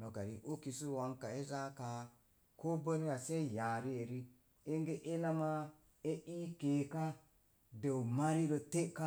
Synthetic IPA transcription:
no˨ka˨ɾi˨ʔo˦ki˨su˦wa˦ŋka˨e˦za˦ka˨ | ko˦bə˦ni˦ja˨se˦˨ja˨ɾi˦e˨ɾi˦ | e˦ŋɡe˦ʔe˦la˦ma˦ | e˦i˦ke˨ka˦ | do˨ma˦ɾi˦ɾo˨te˦ka˦

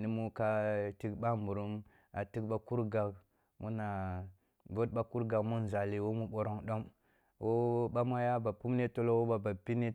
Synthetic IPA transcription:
ni˦mu˦ka˦ti˦kba˦mbu˨ɾu˦m | a˨ti˦kɓa˦ku˦ɾɡa˨b̚ | mu˦na˨ | vo˦t̚ɓa˦ku˦ɾɡa˨kmu˦n˨za˨li˨wo˦mu˦ɓo˨ɾo˦ŋɗo˦m | wo˦ɓa˦ma˦ja˦ba˨pu˦mne˦to˦lo˦wo˦ba˨ba˨pi˦ni˦

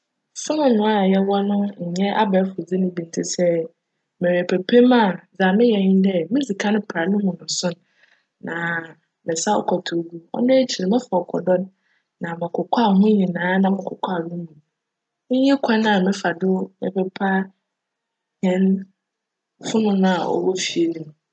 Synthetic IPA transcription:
fʊ˦nʊ̃˦nʊ̃˨a˦˨jɛ˦wɔ˦nʊ̃˦ɲ̩˨ɲɛ̃˦a̰˦ba˨˦fʊ˨d͡zi˦nʊ̃˦bi˨n˨tʰi˦sɛ˦ | mɛ̃˨wɛ˨pʰe˨pʰe˦mã˦˨d͡za˨mɪ̃˦jɛ˨ɲɪ̃˦dɛ˦mɪ̃˦d͡zi˨kʰa˦nʊ̃˦pʰa˨nʊ̃˦mũ˨nʊ̃˨sʊ̃˦nː | ã˨ | mɪ̃˨sa˦ɔ̰˦kʰɔ˨tʰu˨ɡu˦ɔ̰˦nɛ̃˦t͡ɕʰi˨ɾɪ˨mɪ̃˦fa˨ɔ˨kʰɔ̰˨dɔ̃˦n | nã˨mɪ̃˨kʰʊ˨kʰa˦˨hũ˦ɲĩ˨nãː˨˦nã˦mɪ̃˨kʰʊ˨kʰa˦˨nũ˦mũ˨˦ | ɲɛ̃˦kʰɛ̃˦nã˨mɪ̃˦fa˨dʊ˦mɛ̰˨pʰɛ˦pʰa˦ | ɲɛ̃˨˦n | fʊ˦nʊ̃˦nã˦˨ɔ̰˨bɔ˦fi˨e˨nũ˨

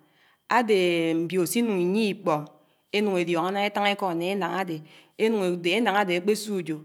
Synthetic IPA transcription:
a˦de˨m̩˨bji˨o˨si˦nu˨ŋi˨ɲi˦i˦˨k͡pɔ˨ŋ | e˦nu˨ŋe˨djɔ˨ŋa˦na˦e˦ta˦ŋe˦kɔ˦a˨ne˨e˦na˨ŋa˦de˨e˦nu˨ŋe˨de˨e˦na˨ŋa˦de˨e˨˦k͡pe˦su˦˨d͡ʒo˨

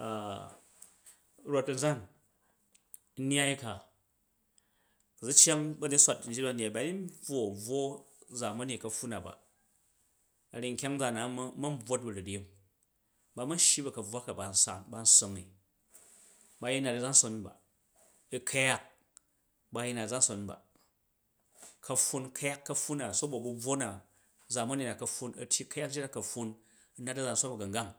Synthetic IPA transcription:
a˨ | ɾo˨t̚ɐ˨n˨d͡za˦n˦ | n˦a˦i˦ka˨ | kɐ˨d͡zu˦t͡ʃa˦ŋbɐ˦ne˦sʷa˨t̚n̩˦d͡ʒi˦ba˦˨n˨a˨ba˨˦i˦n˦b͡vwo˦˨b͡vwo˦ | d͡za˨mɐ˦ne˨kɐ˨ɸu˦na˨ba̰˨ | ɐ˨ɾi˨ŋ̩˨kʲa˦ŋd͡za˨na˨˦mɐ˦m̩˦b͡vwo˦t̚bɐ˨ɾu˨ɾi˦m | ba˧mɐ˦n˦ʃji˦bɐ˨kɐ˨b͡vwa˦ka˨ba˨n̩˦sa˦˨nba˧n̩˦so˦ŋi˨ | ba˧ji˦na˨tɐ˨d͡za˦n̩˦so˧n˦ba̰˨ | i˧kʰɐ˦ja˦k̚ | ba˧ji˦na˨d͡za˦n̩˦so˨nba̰˨ | kʰɐ˧ɸu˧nkʰɐ˦ja˦kːɐ˦ɸːu˦na˨so˦bo˨bu˧b͡vwo˦na˨ | d͡za˨mɐ˦ni˨na˨kɐ˧ɸːu˦nɐ̰˨tʲji˦kɐ˦ja˦kd͡ʒi˦na˦kɐ˨ɸu˧n | i˦na˦tɐ˦d͡za˨n̩so˦nbɐ˨ɡɐ˨ŋɡa˦ŋ

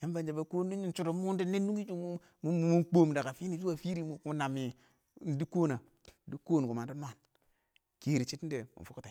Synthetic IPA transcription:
ja˦m˦ba˨nd͡ʒa˨ba˨ko˦n˦di˦i˦t͡ʃu˦ɾo˨mu˦n˦di˦ne˦nːu˦ɡi˦d͡ʒu˦mu˦ | mu˦mu˨mu˦k͡po˦m˨da˨ka˨fi˦ni˨zu˦wa˨fi˦ɾi˦mu˨˦u˦na˨mi˨ | n˨˦di˦ko˦na˨˦ | di˦ko˦˨n˨ku˨ma˨ndu˦n˦a˨n | ke˨ɾi˨t͡ʃi˦t̩˦de˨mṵ˨fu˦ku˦te˨

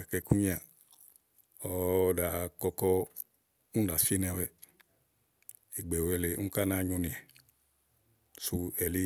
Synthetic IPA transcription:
ɛ˨kɛ˧ku˦ɲĩ˦a˨ | ɔ˨da˨kɔ˧kɔ˧ | u˦da˨si˦nɛ˧wɛ˨ | i˨ɡ͡be˨wɛ˧le˨u˦ka˦na˦ɲu˧nĩ˨ɛ˨ | su˧ɛ˨li˧

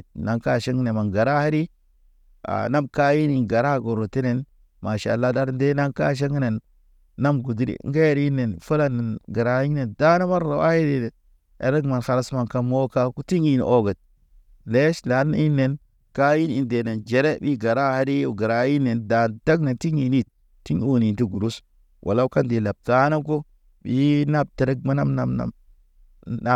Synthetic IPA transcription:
na˨ŋka˦ʃe˦ŋ˦ne˨ma˨nɡa˨ɾa˦ha˦ɾi˦ | a̰˨na˦mka˦ji˦ni˨nɡa˨ɾa˦ɡo˨ɾo˨te˦ne˨n | ma˨ʃa̰˨lːa˦da˦ɾnde˦na˦ŋka̰˦ʃ̬e˦ŋ˦ne˨nː | a˦mɡu˨di˦ɾḭ˨ŋ˦ɡe˦ɾi˦nːe˨nfu˦la˦ne˨nɡa˨ɾa˨i˦ŋ˦ne˨nda˦na˦ma˦nːo˨a˦ji˦de˨ | ḛ˨ɾe˦ɡma˨nxa˨ɾa˦sma˨nka˦mwo˦ka˦ku˦ti˦ŋi˦˨n˨o˦ɡə˨t̚ | le˦ʃla˨˦n˦i˦nːe˨n | ka˦ji˦ni˨nde˨ne˨nd͡ʒe˨ɾe˦bi˦ɡa˨ɾa˦ha˦ɾi˦u˨ɡa˨ɾa˨˦ji˦ne˨nda˨nta˦ɡne˨nti˦ɲi˨ni˦˨t̚ | ti˦ɲo˦ni˨nti˦ɡu˨ɾu˦s | wʔa̰˨la˦ka˦ndi˨la˨b̚ta˦na˦ko˦ | bi˨˦na˦b̚te˨ɾe˦k̚ma˦na˦mna˨mna̰˨m | a˦

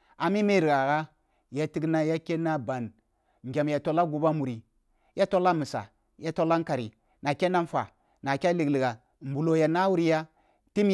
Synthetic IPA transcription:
a˨mi˦me˦˨ɾi˨ɡa˨ɣa˦ | ja˦ti˦ɡna˦ja˦ke˦na˦ba˨n | ŋ˨ɡʲa˨mja˨to˨la˦ɡu˨ba˦mu˨ɾi˨ | ja˦to˦la˦mɨ˨sa̰˨ | ja˦to˦la˦ŋka˨ɾḭ˨ | na˨kʲe˦na˦n˦fa̰˨ | na˨kʲa˦li˨ɡli˨ɡa˨ | m̩˨bu˨lo˨ja˨na˦wu˦ɾi˦ja˦ | ti˦m

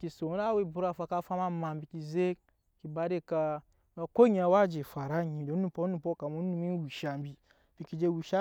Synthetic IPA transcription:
ki˨so˨˦na˦we˦bu˨˦ɾa˦˨fa˧ka˦fa˦ma˦ma˨mbi˨ki˨ze˦ | ki˨ba˧de˦ka˧ | a˨ko˦ɲ˦a˧˨˦wa˦d͡ʒe˨fa˨ɾa˦ɲi˨do˨˦nu˦˨po˦u˦˨po˦ka˨mu˦nu˦mi˦wi˨ʃa˨m˦bi˨ | b̥i˨ki˨d͡ʒe˧wi˨ʃa˦

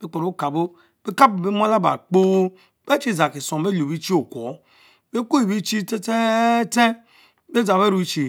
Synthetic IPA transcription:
be˦k͡po˨ɾo˨˦ka˨bo˦ | b̥e˦ka˦bbe˦m˦a˦la˦ba̰˨k͡po˦ | be˦t͡ʃi˦˨za˨ki˨so˨˦e˦lo˨bi˦t͡ʃi˦o˨kʷo˨˦ | be˦ko˦i˨bi˦t͡ʃi˦te˦te˦te˦ | be˦za˨be˦ɾu˦t͡ʃi˨

